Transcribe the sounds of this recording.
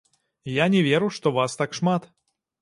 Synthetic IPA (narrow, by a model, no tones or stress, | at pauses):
janʲɛvʲɛɾuʂt̪ɔvast̪akʂmat̪